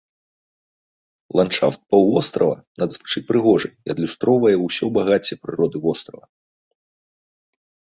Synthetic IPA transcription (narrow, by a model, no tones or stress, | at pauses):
lˠant͡ʂa̰ft̪̚pɐwɔst̪ɾɐvɐ̰nɐd̪zvɨ̥t͡ʂɨpɾɨɣɔʐɨjiɐd̪lʲust̪ɾɔwvɐjɛwsʲɔbaɣat͡sʲɛpɾɨɾɔd̪ɨvɔst̪ɾɐvɐ